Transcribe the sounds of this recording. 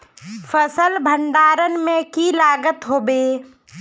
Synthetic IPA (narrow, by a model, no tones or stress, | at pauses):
fəsəlbʱəɳɖaːɾənmẽkilaːɡət̪ɦoːbeː